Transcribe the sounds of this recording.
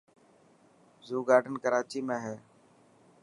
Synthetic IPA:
zuːɡaːɖənkəɾaːt͡ʃiːmẽːɦɛː

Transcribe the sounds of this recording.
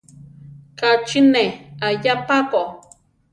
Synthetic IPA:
kat͡ʃineajapapo

